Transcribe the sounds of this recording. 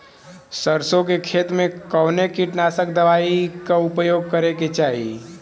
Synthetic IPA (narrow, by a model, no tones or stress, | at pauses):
səɾsõkekʰeːt̪mẽkɔːnekiʈnaːsək̚d̪əʋaːikaʊpjoːɡ̚kəɾeket͡ʃaːɦḭ